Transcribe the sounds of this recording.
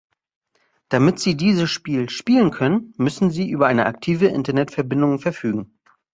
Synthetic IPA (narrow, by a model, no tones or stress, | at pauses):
d̥amɪtz̥iːdiːzəsʃpiːlʃpiːlənkʰœnənmʏsn̩ziːʔyːbɐʔaɪnəʔak̚tʰiːvəʔɪ̰ntɐnɛtfɛɐbɪndʊŋfɛɐfyːɡŋ̩